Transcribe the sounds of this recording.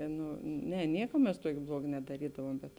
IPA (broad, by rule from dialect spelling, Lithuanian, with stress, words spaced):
ˈnʊ ˈnʲɛ ˈnʲiɛkɐ mʲɛs ˈtuɔkʲeː ˈblˠuɔɡɐ nʲɛdɐˈrʲiːdɐʋuɔm ˈbʲɛt